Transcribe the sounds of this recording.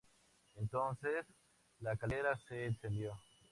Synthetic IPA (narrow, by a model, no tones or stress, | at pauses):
ẽnt̪onses | lakaleɾaseːnsẽnd̪jo